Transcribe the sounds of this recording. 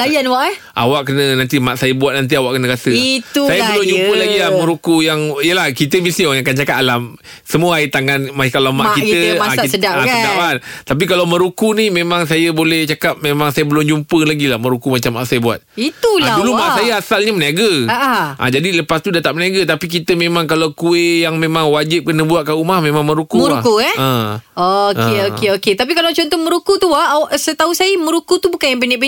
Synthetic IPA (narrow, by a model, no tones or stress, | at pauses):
lajanwaʔɛ | ʔa̰waʔkənənant̪imaʔsajəbuat̪̚nant̪iawaʔkənə̃kasəiusajəbəlʊmd͡ʒumpəlaɡilamə̃ɾukujaŋijəlahkit̪əmisiojakant͡ʃakat̪alam | səmuəait̪aŋanmakalamaʔkik̪əədaasədapant̪ap̬ikalawmə̃ɾukunimẽmãŋs̬ajəbolɛht͡ʃakap̚mẽmãŋsajəbəlʊmd͡ʒumpəlaɡilahmə̃ɾukumat͡ʃamːaʔsajəbua̰t̪̚it̪uladulumasajəasalɲaməniaɡəaʔaʔã̰d͡ʒadiləpast̪udat̪aʔməniaɡət̪apik̬it̪əmemãŋkalawkuejaŋmẽmãŋwad͡ʒɪp̚kənəbuatʔ̪̚kaumahmẽmãŋmə̃ɾukuməɾuakuɛə̃okeokeoket̪ap̬ikalawt͡ʃɔnt̪ɔhmə̃ɾukut̪uasət̪ausajəmə̃ɾukut̪ubukanjampəniʔb